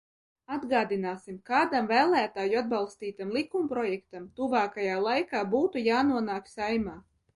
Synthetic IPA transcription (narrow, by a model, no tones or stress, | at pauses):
ad̪ɡaːd̪inaːsimkaːd̪amvæːlˠæːt̪aːjuad̪̚balˠst̪iːt̪amlˠikumpɾɔjɛkt̪amt̪uvaːkajaːlˠajkaːbuːt̪ujaːnuɔnaːksajmaː